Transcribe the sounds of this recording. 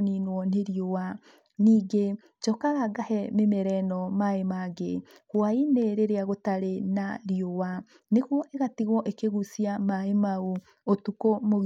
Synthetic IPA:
ninwɔneɾiowa | niːɡe | t͡ʃɔkaɣaɡahɛmemɛɾɛnɔmaemaɡḛ | hwaineɾeɾeaɣotaɾenaɾiowa | neɣwɔʔeɣatiɣwɔʔekeɣusiamaemau | otukomo

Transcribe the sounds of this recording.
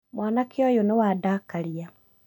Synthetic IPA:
mwaːnakʰeɔjonewaːdakaɾia

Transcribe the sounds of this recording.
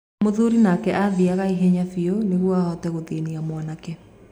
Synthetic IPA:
moðuɾinakɛʔaðiaɣaiɦɛɲafioneɣwɔaɔtɛɣoðeniamwanakɛ

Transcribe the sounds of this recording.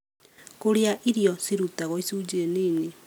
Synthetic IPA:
koɾeaʔiɾjɔsiɾutaɣɔisuːd͡ʒeːniːni

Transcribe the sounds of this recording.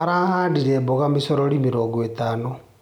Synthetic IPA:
aɾahaːdiɾɛboɣamesoɾoɾimeɾoːŋɡoetano

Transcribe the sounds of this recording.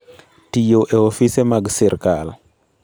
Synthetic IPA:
tijoʔeofisemaɡsiɾkal

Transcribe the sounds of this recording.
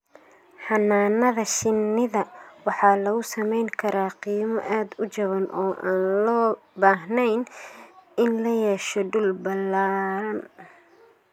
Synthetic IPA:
ħɑnːaːnɐðɐʃɪnːɪðɐwɑħɑːlɐɣʊsɐmɛjŋkʰɐɾaːqiːmɔʔaːd̪ʊt͡ʃɐβɐnʔɔːʔa̰ːnlɔːbaːɦnɛjn | ɪnlɐjɛːʃɔɖʊlbɐlːaːɾɐn

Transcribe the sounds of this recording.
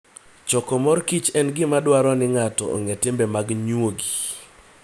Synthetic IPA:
t͡ʃɔkɔmɔɾkit͡ʃɛnɡɪmadwaɾɔnɪŋatɔ̰o̰ŋetɪmbɛmaɡɲwoɡi

